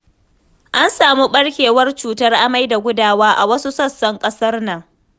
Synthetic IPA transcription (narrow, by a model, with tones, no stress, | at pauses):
ʔa˦nsaː˨mu˦ɓɐ˦ɽkʲeː˨wɐ˦rt͡ʃuː˨tɐ˦rʔa˦ma˦jda˨ɡʷʊ˦daː˦˨waː˦ʔa˨wɐ˦su˦sɐ˦sːɐ˦ŋkʼɐ˦sɐ˦rnɐ˨ŋ